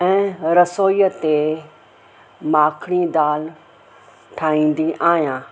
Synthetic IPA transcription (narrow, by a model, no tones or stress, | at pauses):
ɛ̃ːɾəsoːjət̪e | maːkʰɽ̃id̪aːl | ʈʰaːĩːn̆d̪iʔaːjãː